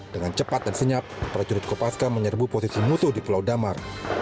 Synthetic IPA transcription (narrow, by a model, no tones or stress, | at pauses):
dəŋant͡ʃəpat̪̚dansəɲapːɾad͡ʒuɾɪt̪̚kopaskaməɲərbuposisimusuhdipulawdamar